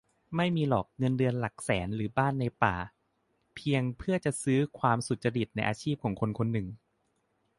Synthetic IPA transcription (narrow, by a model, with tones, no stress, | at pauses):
ma˥˩jmiː˧lɔː˨˩k̚ŋɤ˧ndɯ˧ənla˨˩k̚sɛː˩˦nɾɯː˩˦baː˥˩nːa˧jpa̰ː˨˩ | pʰi˧əŋpʰɯ˥˩ət͡ɕa˨˩ʔsɯː˦˥kʰwaː˧msu˨˩t̪̚t͡ɕa˧ɾi˨˩t̪̚na˧jʔaː˧t͡ɕʰiː˥˩p̚kʰɔː˩˦ŋkʰo˧nkʰo˧nːɯ˨˩ŋ